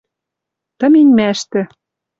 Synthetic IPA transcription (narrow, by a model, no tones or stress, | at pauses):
t̪ɤ̆minʲmæʃt̪ɘ̆